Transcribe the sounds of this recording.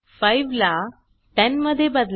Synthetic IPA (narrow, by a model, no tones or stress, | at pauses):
fajʋla | t̪ɛ̃nməd̪ʱːjebəd̪l